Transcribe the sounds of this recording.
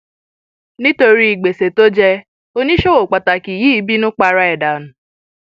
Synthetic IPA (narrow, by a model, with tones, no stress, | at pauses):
ni˦to˧ɾi˦i˨ɡ͡be˨se˨to˦d͡ʒe˦ | o˦ni˦ʃo˦wo˨k͡pa˨ta˨ki˨ji˦i˦bi˦nʊ˦k͡pa˨ɾa˦ɛ˨da˨nʊ˨